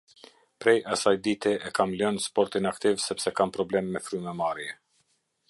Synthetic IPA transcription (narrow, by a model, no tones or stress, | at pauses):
pɾɛjasajd̪it̪ɛɛkamlœnspɔɾt̪inakt̪ivsɛpsɛkampɾɔblɛmːɛfɾymɛmaɾjɛ